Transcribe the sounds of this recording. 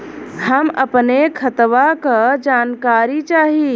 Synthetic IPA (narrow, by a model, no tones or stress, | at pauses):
həməpnekʰət̪ʋakɐd͡ʒaːnkaːɾit͡ʃaːɦi